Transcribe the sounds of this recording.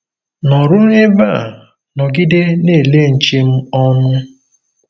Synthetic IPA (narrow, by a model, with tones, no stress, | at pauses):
nɔ˨ɾʊ˦e˦ba˦˨ | nɔ˨ɡɪ˦de˦ne˦˨le˦˨n̩˨t͡ʃe˦m̩˦ɔ˦nʊ˦